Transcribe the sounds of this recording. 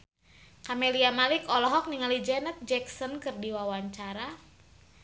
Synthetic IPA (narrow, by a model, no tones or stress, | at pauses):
kameliamalikɔlɔɦɔk̚niŋalid͡ʒɛnɛt̪̚d͡ʒɛksɔnkɨrdiwawaɲt͡ʃaɾa